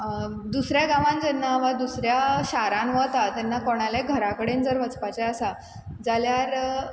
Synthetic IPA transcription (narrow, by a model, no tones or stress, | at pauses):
d̪usɾjaɡaʋãnd͡zɛnːaʋad̪usɾjaɕaɾãnʋət̪at̪anːakɔɽ̃alaɡʱəɾakəɽend͡zəɾʋət͡spat͡ɕɛasa | d͡zaljaɾ